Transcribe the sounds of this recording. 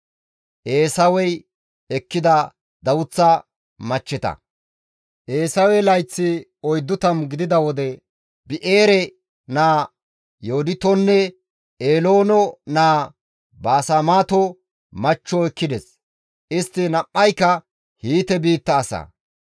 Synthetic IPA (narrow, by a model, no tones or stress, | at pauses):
ʔeːsɐwɛj | ɛkːɪd̪ɐ | d̪ɐwʊt͡sːɐ | mɐt͡ʃːɪt̪ɐ̰ | ʔeːsɐwɛlɐjt͡sːɪɔjd̪ːʊt̪ɐmɡɪd̪ɪd̪ɐwɔd̪ɛ | bɪʔeːɾɛ | naː | johʊd̪ɪt̪ɔnːɛ | ʔeːlo̞ːnɔnaː | bɐːsamaːt̪ɔ | mɐt͡ʃːɔɛkːɪd̪ɛs | ʔɪst̪ːɪnɐpːɐjkːɐ | hiːt̪ɛbiːt̪ːɐːsɐ̰